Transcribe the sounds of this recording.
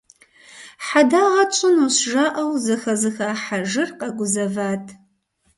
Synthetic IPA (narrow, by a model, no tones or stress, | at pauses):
ħadaːʁɐt͡ʃʷʼɨnuɕʒaʔɐwzɨxɐzɨxaːħaʒɨrqʼɐɡʷʊzɐvaːtʰʼ